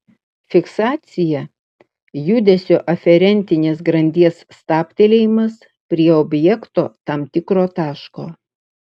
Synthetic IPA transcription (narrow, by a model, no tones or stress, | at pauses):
fʲɪksɑːt̪sʲɪjɛ | jʊd̪ʲɛsʲoːʔɐfʲɛɾʲɛnʲt̪ʲɪnʲeːsɡɾɐnʲd̪ʲiɛsːt̪ɑːpʲt̪ʲelʲeːjɪmɐs | pʲɾʲiɛobʲjɛkt̪o̰ːt̪ɑːmt̪ʲɪkɾoːt̪ɑːʃkoː